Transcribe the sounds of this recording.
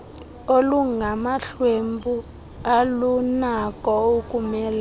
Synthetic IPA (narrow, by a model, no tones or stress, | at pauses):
oluŋɡʱamaɬwembu | alunakʼɔukʼumɛːla